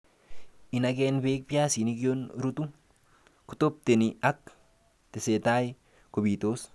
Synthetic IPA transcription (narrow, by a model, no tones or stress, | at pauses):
inakenbek̚pjasinikjonɾut̪u | kut̪op̚t̪eniak̚ | t̪eset̪aj | kobit̪os